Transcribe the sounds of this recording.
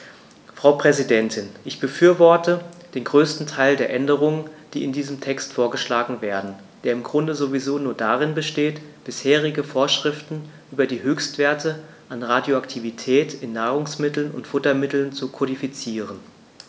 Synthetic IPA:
fʁ̥aʊpʁ̥ɛzidɛntʰɪnʔɪçb̥əfyːɐvɔɐtʰəd̥eːnɡʁøːstn̩tʰaɪldeːɐʔɛndəʁ̞ʊŋənd̥iːɪndiːzəmtʰɛkstfoːɐɡəʃlaːɡŋ̩veːɐdn̩ | d̥eːɐɪmɡʁʊndəzovizoːnuːɐdaʁɪnbəʃteːtb̥ɪsheːʁ̞ɪɡəfoːɐʃʁ̥ɪftn̩ʔyːbɐdiːɦøːçstv̥eːɐtə | ʔanʁadjoaktʰivitʰɛːtɪnːaːʁʊŋsmɪtl̩nʊ̰ntfʊtɐmɪtl̩nt͡sukʰɔɾifit͡siːʁən

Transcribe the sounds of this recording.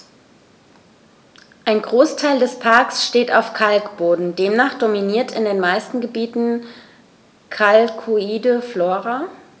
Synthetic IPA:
ʔaɪnɡʁoːstʰaɪldɛspʰaɐksʃteːta̰ʊfkʰalkb̥oːdn̩deːmnaːχd̥ominiːɐtʰɪndeːnmaɪstn̩ɡəbiːtn̩ | kʰalkʰuiːdəfloːʁa

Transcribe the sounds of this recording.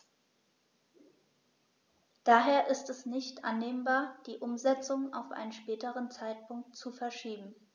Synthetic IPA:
d̥aːɦeːɐʔɪstɛsnɪçtʔa̰nːeːmbaːɐd̥iːʔʊmzɛt͡sʊŋa̰ʊfʔa̰ɪnənʃpɛːtəʁənt͡saɪt̚pʰʊŋk̚tt͡sufɛɐʃiːbm̩

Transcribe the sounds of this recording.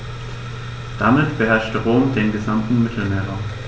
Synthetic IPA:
d̥amɪtb̥əɦɛɐʃtəʁoːmdeːnɡəzamtn̩mɪtʰl̩meːɐʁa

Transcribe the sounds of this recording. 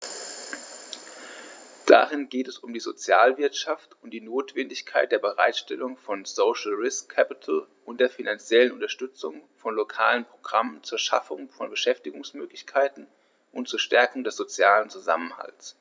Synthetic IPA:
d̥a̰ʁɪnɡeːtɛsʊmdiːzot͡sjaːlvɪɐtʃaftʊntd̥iːnoːtv̥ɛndɪçkʰaɪt̚d̥eːɐbəʁa̰ɪtʃtɛlʊŋfɔnsoːʃl̩ʁɪskʰːɛpɪtʰl̩ʔʊntd̥eːɐfinant͡sjɛlənʊntɐʃtʏt͡sʊ̰ŋfɔnlokʰaːlənpʁ̥oɡ̥ʁamənt͡suːɐʃa̰fʊŋfɔnbəʃɛftɪɡʊŋsmøːklɪçkʰaɪtn̩ | ʔʊntt͡suːɐʃtɛɐkʊŋdɛsz̥ot͡sjaːlənt͡suza̰mənha̰lts

